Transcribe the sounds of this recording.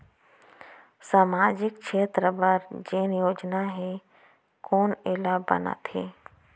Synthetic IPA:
saːmaːd͡ʒɪk̚t͡ʃʰeːt̪ɾəbəɾd͡ʒeːnjoːd͡ʒnaɦẽ | koːnelabɐ̰na̰t̪ʰeː

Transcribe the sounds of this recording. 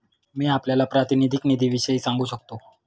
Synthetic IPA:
miːapljalapɾat̪inid̪ʱiknid̪ʱiːʋiɕəiːsãŋɡuːɕək̚t̪o

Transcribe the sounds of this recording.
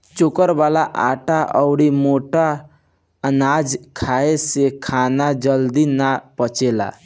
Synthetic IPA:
t͡ʃokəɾbalaʔa̰ʈaʔəʊɽimoʈa | ənad͡ʒkʰaesekʰanad͡ʒəld̪inapət͡ʃela̰

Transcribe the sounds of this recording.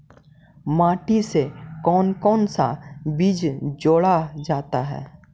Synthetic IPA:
maːʈisekɔːnkɔːnsa̰biːd͡ʒd͡ʒoːɽad͡ʒaːt̪aɦɛ̰ː

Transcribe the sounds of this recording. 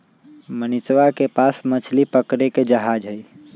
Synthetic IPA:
mənit͡ʃʋakepasmət͡ʃʰlipəkɾeked͡ʒəɦad͡ʒɦəj

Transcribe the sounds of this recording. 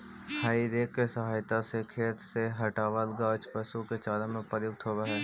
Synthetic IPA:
haːid̪eːkːesəɦaːjt̪asekʰeːt̪seɦəʈaːʋəlɡaːt͡ʃpəsuket͡ʃaːlãmẽpəjʊk̚t̪ʰɦoːʋaɦɛː

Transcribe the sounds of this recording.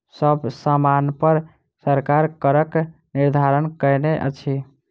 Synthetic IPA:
səbʱsamanpəɾ | səɾkaɾkəɾək | niɾd̪ʱaɾənkəjneʔə̰t͡ʃʰi

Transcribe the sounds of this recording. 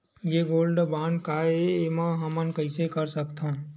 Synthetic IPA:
jeɡoːlɖbaːɳɖkaeemãɦəmənkəɪsekəɾsəkt̪ʰõ

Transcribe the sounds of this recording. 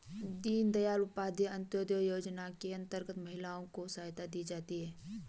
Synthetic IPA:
d̪iːnd̪ɐjaːlʊpaːd̪ʱeɐ̃nt̪joːd̪jojoːd͡ʒnakeɐ̃nt̪əɾɡət̪mɐɦɪlaːõkosaːjt̪ad̪id͡ʒaːt̪iɦɛː

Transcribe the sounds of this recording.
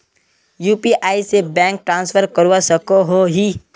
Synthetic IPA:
juːpiʔaːisebɛ̃ːŋk̚ʈɾãːnsfʰəɾkəɾwasəkoɦoɦiː

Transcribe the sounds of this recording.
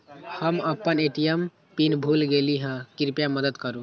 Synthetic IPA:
həməpːəneʈijəm | pinbʱulɡeliɦə̃kiɾpjaməd̪əd̪kəɾũ

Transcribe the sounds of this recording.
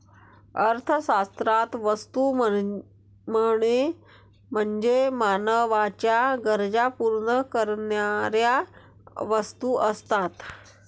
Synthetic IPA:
əɾt̪ʰəsast̪ɾat̪ʋəst̪u | məɽ̃e | m̤əɳd͡ʑemanəʋat͡ɕjaɡəɾd͡zapuɾɳəkəɾnjaɾja | ʋəst̪uʔəst̪at̪

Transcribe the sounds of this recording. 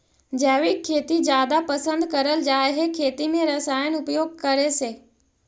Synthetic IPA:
d͡ʑɛːʋɪkʰːeːt̪izjaːd̪apɐsə̃nd̪kɐɾəld͡ʒaːeɦekʰeːt̪imẽɾɐsaːɪjəñʊpjoːɡ̚kɐɾeseː

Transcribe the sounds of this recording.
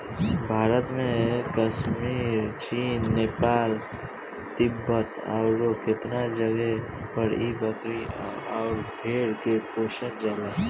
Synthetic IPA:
bʱaːɾət̪mẽkəʃmiːɾt͡ʃiːnːeːpaːl | t̪ɪbːət̪a̰ʊɾokɪt̪nad͡ʒəɡɛ | pəɾibəkɾiɔːɾbʱeːɽkepoːʃənd͡ʒaːla

